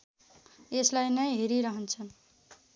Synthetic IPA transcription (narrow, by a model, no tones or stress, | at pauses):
eslajnʌjɦeɾiɾʌɦʌnt͡sʰʌn